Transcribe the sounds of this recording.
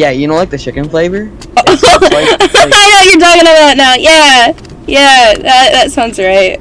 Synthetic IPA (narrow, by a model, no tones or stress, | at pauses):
jæjɨñoʊlaɪk̚ðɨt͡ʃʰɪkɨ̃nfleɪvə˞ | aɪnojə˞dɔɡɨ̃nəbaʊtnaʊjæ | jæðæðætsãʊ̃ndzɡɹeɪt̚